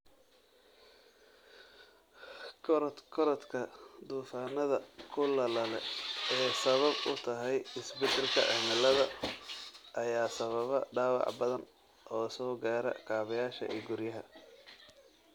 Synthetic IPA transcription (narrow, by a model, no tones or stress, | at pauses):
kʰɔɾt̪kʰɔɾɐt̪kʰɐd̪uːfaːnɐðɐkʰʊlɐlɐlɛɛːsɐβɐbʊt̪ʰɐɦɛjɪsbɪd̪ɪlkʰɐ̰ʕɛ̰mɪlɐðɐ | ʔɐjaːsɐβɐβɐɖaːwɑ̰ʕbɐðɐn | ʔɔːsɔːɡaːɾɐ̰kʰaːβɐjaːʃɐ̰ʔḭːɡʊɾjɐɦɐ